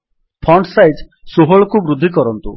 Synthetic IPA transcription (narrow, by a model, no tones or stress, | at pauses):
pʰɔɳʈsajd͡ʒ | suɦɔɭɔkubɾud̪ʱːikɔɾɔnt̪u